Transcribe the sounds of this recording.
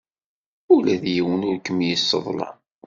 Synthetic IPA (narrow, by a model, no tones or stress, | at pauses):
ulæðjiwənʊɾkəmjəsːə̰ðˤlɑ̰